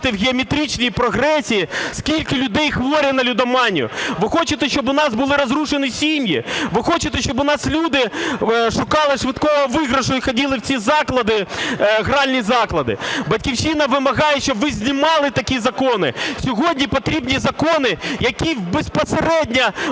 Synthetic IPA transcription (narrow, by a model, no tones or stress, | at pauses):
t̪ɪwɣʲiɔmʲet̪ɾʲit͡ʃnijipɾɔɦɾɛsʲijiskʲilʲkɪlʲʊd̪ɛjxʋɔɾʲɐnɐlʲʊd̪ɐmɑnʲiʊ̰ʋɪxɔt͡ʃɪt̪ɛʃt͡ʃɔbʊnɑsbʊlˠɪɾɔzɾuʃenɪsʲimʲjḭʋɪxɔt͡ʃɪt̪ɛʃt͡ʃɔbʊn̪ɑslʲud̪ɪʃʊkɑlˠɪʂʋɪt̪kɔɔʋɪɣɾɐʃʊixɔdʲilˠɪwt͡sʲizɑklˠɐd̪ɪɣɾɑlʲnʲizɑklˠɐd̪ɪ̰bɐtʲkʲiwʃinɐʋɪmɐɣɑjɛʃt͡ʃɔbʋɪzʲnʲɪmɑlˠɪt̪ɐkʲizɐkɔnɪ̰sʲɔɦɔdʲnʲipɔt̪ɾʲibnʲizɐkɔnɪjɐkʲibespɔseɾɛdʲnʲɐ